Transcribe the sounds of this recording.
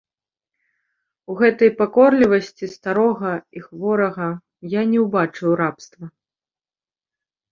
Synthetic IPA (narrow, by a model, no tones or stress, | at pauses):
uɣɛt̪ɐjpakɔrlʲivɐsʲt͡sʲist̪aɾɔɣɐixvɔɾɐɣɐ | janʲɛwbat͡ʂɨwrapst̪vɐ